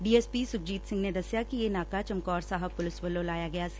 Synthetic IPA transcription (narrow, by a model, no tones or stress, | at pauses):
ɖiːeːspiːsʊk̚d͡ʒiːt̪sɪ̃ŋɡned̪ɐsjakijenaːkat͡ʃɐmkɔːɾsaːɦəb̚pʊlɪsbɐlolaːjaɡɐjas